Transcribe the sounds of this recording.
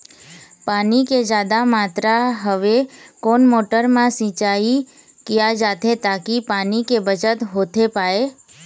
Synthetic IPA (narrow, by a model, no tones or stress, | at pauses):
paːniked͡ʒjaːd̪amaːt̪ɾaɦəʋekonmoːʈəɾmãsĩːt͡ʃai | kijad͡ʒaːt̪ʰet̪aːkipaːnikebət͡ʃət̪ɦoːt̪ʰepaːe